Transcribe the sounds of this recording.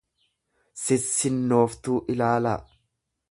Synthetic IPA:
sɪsːɪnːo̞ːft̪uːʔɪlaːla

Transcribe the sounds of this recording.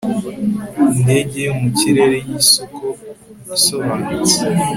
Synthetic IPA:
inde̞ːɟeumuciɾe̞ɾejisokʰoisoβaːnut͡se̥

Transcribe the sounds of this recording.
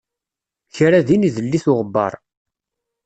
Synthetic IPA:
çɾaðiniðəlːiθʊʁəbːɑ̰ɾˤ

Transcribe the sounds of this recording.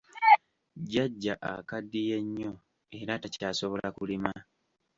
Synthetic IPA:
ɟaɟːaʔa̰kadːije̞ɲːo̞ | e̞ɾatacaːso̞βo̞lakulima

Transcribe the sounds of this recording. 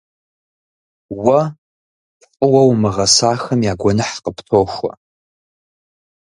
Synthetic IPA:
wɐ | qʼəwɐwmɨʁɐsaːxɐmjaɡʷɔnɨħqʼəpʰtʰoːʃʷa̰

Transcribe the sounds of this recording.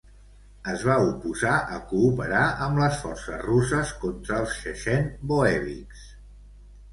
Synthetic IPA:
əzβaupuzaʔəkuːpəɾaəmləsfɔrsə̰zrusəskont̪ɾəːlˠsʃəʃɛnboɛβḭks

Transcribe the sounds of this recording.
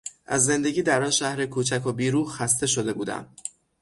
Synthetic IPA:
ʔæ̰zːe̞nd̪e̞ɡʲiːd̪æɾɒnʃæhɾekʰuːt͡ʃʰækʰobiːɾuːxæst̪e̞ʃod̪e̞buːd̪æ̰m

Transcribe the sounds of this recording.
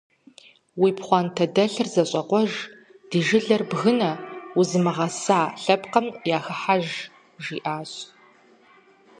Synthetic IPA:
wiːpχʷɑːntʰɐdɐɬɨrzɐɕʼɐqʷɔʒ | d̥iʒɪɮɐrbɣɨnɐuzɨmɨʁɐsaːɬɐpqɐmjaːxɨħaʒ | ʒiːʔaːɕʼ

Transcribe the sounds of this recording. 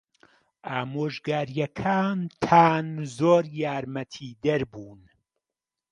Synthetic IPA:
ʔaːmoːʒɡaːɾjɐkʰaːnt̪ʰaːnzoːɾjaːɾmɐt̪ʰiːd̪ɐɾbuːn

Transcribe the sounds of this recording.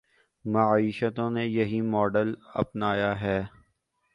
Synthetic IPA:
mɐiːʃət̪õnejɐɦimɔːɖəlɐ̰pnaːjaɦɛː

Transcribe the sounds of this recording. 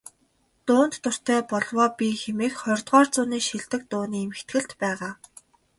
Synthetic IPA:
t̪ʊːnt̪ːʊr̥t̪ʰœːpɔɮwɔːpʲixemeːkχɔrʲt̪ʁɔːrt͡sʊːniːʃiɮt̪ɘ̆k̚t̪ʊːniːemɘ̆xt̪ɡɘ̆ɬt̪pæːʁaː

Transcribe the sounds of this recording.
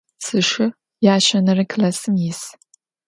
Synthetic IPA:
sɨʂɪ | jaːɕɐnɐrɨkʰɨlɐsɨmjɪs

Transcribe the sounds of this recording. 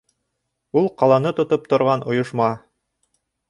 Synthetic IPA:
ulˠqɑlˠɑnɤt̪ŏt̪op̚t̪ŏɾʁɑnʔŏjŏʃmɑ

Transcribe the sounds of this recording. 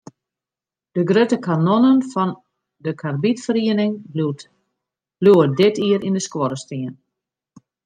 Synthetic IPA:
d̥əɡrøtəkʰanonənfɔn | dəkʰarbitfəriənɪŋ | luədɪtʰiəɾʔindəskwɔɾəstiən

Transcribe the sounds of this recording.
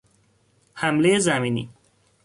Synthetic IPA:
hæmlejezæmiːnḭ

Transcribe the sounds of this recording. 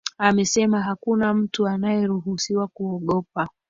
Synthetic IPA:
amɛsɛmaɦakunam̩tuanajɛɾuɦusiwakuɔɠɔpa

